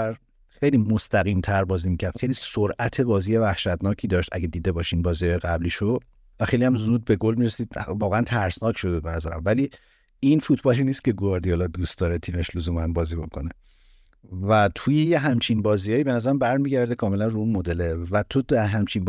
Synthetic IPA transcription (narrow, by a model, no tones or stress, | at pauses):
ɾ | xejliːmo̞st̪æɣint̪ʰæɾbɒːziːmicʰæɾd̪xejliːsoɾʔæt̪ʰe̞bɒːziːje̞væhʃæt̪nɒːcʰiːd̪ɒːʃt̪æ̰ɡed̪iːd̪e̞bɒːʃiinbɒːzijɒːjeɡæbliːʃod̪̥ | væxejlijæmzuːd̪̚be̞ɡo̞lmiɾesiːd̪̚vɒːɣeænt̪ʰæɾsnɒːcʰʃod̪ud̪̚benæzæɾæmvæliː | infut̪ʰb̥ɒliːniːst̪̚ce̞ɡoɾd̪ijɑlɒd̪ust̪̚d̪ɒːɾet̪ʰiːmeʃluzumænbɒːzibokʰo̞ne | væt̪ʰuːje̞jeɦæmt͡ʃʰinbɒːzijɒːibenæzæɾæmbæɾmiɟæɾd̪ekʰɒːme̞lænruunmod̪e̞levæt̪ʰod̪æɾɦæmt͡ʃʰinb